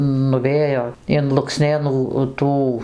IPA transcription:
nʊˈʋʲeːjoː ɪn lˠʊkˈsʲnʲeːnuː ˈtuː

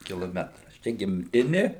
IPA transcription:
kʲɪlˠoːˈmʲæːtrɐs ˈt͡ʃʲɛ ɡʲɪmʲˈtʲɪnʲɪ

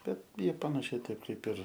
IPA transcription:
ˈbʲɛt ˈjiɛ pɐnɐˈʃʲɛɪ ˈtɐɪp ˈkɐɪp ɪr

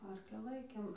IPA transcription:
ˈɐrklʲɪ ˈlˠɐɪkʲeːm

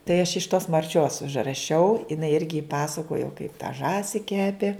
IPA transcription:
tɐɪ ɐʃ ɪʃ toːs mɐrʲˈt͡ʃʲoːs ʊʒrɐˈʃʲɛʊ ɪˈnɐɪ ˈɪrʲɡʲɪ ˈpɑːsɐkoːjoː kɐɪp tɐ ˈʒɑːsʲɪ ˈkʲæːpʲeː

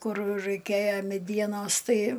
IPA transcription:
ˈkʊr rɐɪˈkʲeːjoː mʲɛˈdʲiɛnoːs ˈtɐɪ

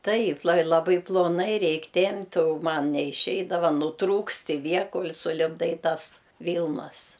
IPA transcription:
ˈtɐɪp lˠɐ lˠɐˈbɐɪ plˠoːˈnɐɪ ˈrʲɛɪkʲ ˈtʲɛmʲpʲtʲ oː ˈmɐn nʲɛɪˈʃʲɛɪdɐʋɐ nʊˈtruːkst ɪ ˈʋʲiɛ ˈkoːlʲ sʊlʲɪbˈdɐɪ ˈtɐs ˈʋʲiːlˠnɐs

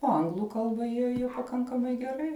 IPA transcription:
oː ˈɐŋɡlˠʊ ˈkɐlˠbɐ jiɛ jɛʊ pɐˈkɐŋkɐmɐɪ ɡʲɛˈrɐɪ

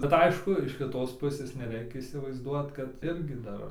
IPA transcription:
bʲɛt ˈɐɪʃkʊ ɪʃ kʲɪˈtoːs ˈpʊsʲeːs nʲɛˈrʲɛɪkʲɛ iːsʲɪʋɐɪzˈduɔt kɐt ˈɪrʲɡʲɪ ˈdɐr

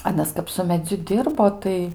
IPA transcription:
ɐˈnɐs kɐp sʊ mʲɛˈd͡zʲʊ ˈdʲɪrboː tɐɪ

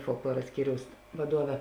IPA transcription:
foːlˠkˈlˠuɔrɐ ˈsʲkʲiːrʲɛʊs ʋɐˈduɔʋʲɛ

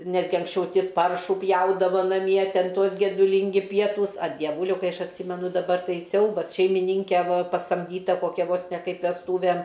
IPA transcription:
ˈnʲæːzʲɡʲɪ ɐŋksʲˈt͡ʃʲɛʊ ˈtʲɪ ˈpɐrʃuː ˈpʲjɛʊdɐʋɐ nɐˈmʲiɛ ˈtʲɛn ˈtuɔs ɡʲɛdʊˈlʲɪŋʲɡʲɪ ˈpʲiɛtuːs ɐ dʲiɛˈʋuːlʲɛʊ ˈkɐɪ ˈɐʃ ɐtʲˈsʲiːmʲɛnʊ dɐˈbɐr ˈtɐɪ ˈsʲɛʊbɐs ʃʲɛɪmʲɪˈnʲiːŋʲkʲɛ ˈʋɐ pɐsɐmʲˈdʲiːtɐ koːˈkʲɛ ʋoːs nʲɛ ˈkɐɪp ʋʲɛsˈtuːʋʲɛm

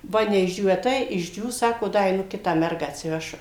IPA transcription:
ˈʋɐ nʲɛɪʒʲˈd͡ʒʲuːʋʲæː ˈtɐɪ ɪʒʲˈd͡ʒʲuːs ˈsɑːkoː ˈdɐ ɛɪˈnʊ ˈkʲɪtɑː ˈmʲɛrɡɑː ɐtʲsʲɪˈʋʲæːʃʊ

